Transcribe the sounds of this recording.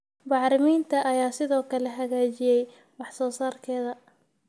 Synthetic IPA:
bɑʕɾɪmiːnt̪ʰɐʔɐjaːsɪðɔːkʰɐlɛɦɐɣaːt͡ʃɪjɛj | wɑħsɔːsaːrkʰɛːðɐ

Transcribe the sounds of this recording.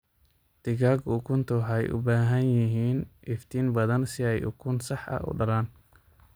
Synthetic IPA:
d̪̥ɪɣaːɡʊkʰʊnt̪ʰʊħɛ̰jʔʊ̰baːɦɐnjɪɦiːnʔɪft̪ʰiːnbɐðɐnsɪɛjʊ̰kʰʊnsɑħɐ̰ʔʊ̰ɖɐlaːn

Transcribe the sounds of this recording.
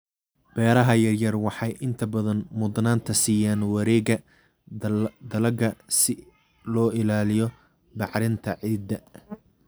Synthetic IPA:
b̥ɛːɾɐɦɐjɐrjɐrwɑħɑjʔɪnt̪ʰɐbɐðɐnmʊd̪naːnt̪ʰɐsiːjaːnwɐɾɛːɣɐ | d̪ɐlɐɡɐsɪ | lɔːɪlaːlɪjɔ | bɑʕɾɪnt̪ʰɐʕiːd̪ɐ

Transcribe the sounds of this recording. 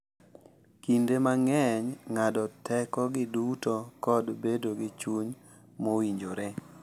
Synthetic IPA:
kindemaŋɛɲŋadɔtʰɛkɔɡɪdutokɔdbedoɡɪt͡ʃuɲ | mowiɲd͡ʒoɾe

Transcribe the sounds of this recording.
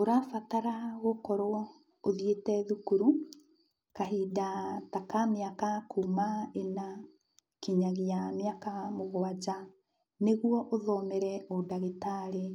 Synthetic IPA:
oɾafataɾaɣokɔɾoɔ | oðietɛðukuɾu | kaɦiːdatakameakakʰumaena | kiɲaɣeameakamoɣwad͡ʑa | neɣuɔʔoðɔmɛɾɛɔdaɣetaɾe

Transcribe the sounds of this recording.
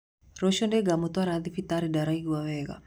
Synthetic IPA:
ɾɔʃɔndɛɡamɔt̪waɾad̪ifit̪aɾidaɾaiɡwawɛɡa̰

